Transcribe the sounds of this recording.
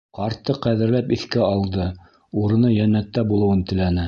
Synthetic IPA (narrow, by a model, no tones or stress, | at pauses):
qɑɾt̪ːɤqæðɘ̆ɾlæpiθkæɑlˠd̪ɤ | uɾɤ̆nɤjænːæt̪ːæbulˠɤ̆wɤnt̪ɘ̆lænɘ